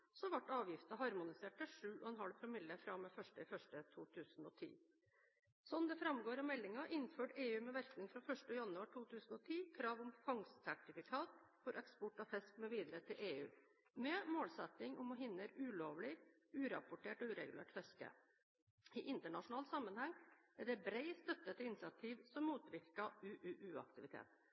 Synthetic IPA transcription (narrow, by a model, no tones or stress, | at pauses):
sɔʋɑʈːɑːʋjɪft̪ɑɦɑɾmʊnɪseːʈəʂʉːɔɛnɦɑlpʰɾʊmɪlːəfɾɑmɛfœʂʈəɪfœʂʈət̪ʰuːt̪ʰʉːsn̩ɔ̰t̪ʰḭː | sɔnd̪ɛfɾɑmɡoːɾɑmɛlːɪŋɑʔɪnːføːʈeːʉːmɛʋæɾknɪŋfɾɑfœʂʈəjɑnʉɑːʈʰuːt̪ʰʉːsən̩ɔt̪ʰiːkʰɾɑːʋʊmfɑŋssæʈɪfɪkʰɑːt̪ | fɔɾʔɛkspɔʈɑfɛskmɛʋiːd̪ɾət̪ʰɪlʔeːʉ̰ː | mɛmoːlsɛt̪nɪŋɔmɔɦɪnːəɾʉːloːʋlɪ | ʉːɾɑ̰pʊʈeːʈɔʉːɾɛ̰ɡʉlḛːʈfɛskə̰ | ɪʔɪnt̪əɳɑʂʊnɑːlsɑmːənhɑŋːæɖɛbɾɛɪst̪œt̪ːət̪əɪnɪsɪɑt̪ʰiːʋsɔmːuːt̪ʋɪɾkɑʉːʔʉːʔʉːɑ̰k̚t̪ɪʋɪt̪ʰḛːt̪